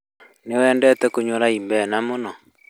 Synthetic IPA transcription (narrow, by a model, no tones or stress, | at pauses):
newɛːndɛtɛkoɲwoɾaimbɛnamonɔ